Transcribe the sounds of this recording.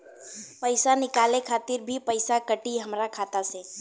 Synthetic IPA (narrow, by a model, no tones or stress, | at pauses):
pəɪsanɪkaːlekʰaːt̪ɪɾbʱipɐɪsakɐʈiɦɐmɾakʰaːt̪aseː